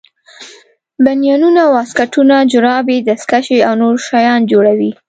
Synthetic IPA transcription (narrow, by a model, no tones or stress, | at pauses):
banijɑnunawɑskaʈunad͡ʒʊɾɑbed̪askaʃeawnoɾʃɑjɑnd͡ʒoɽawi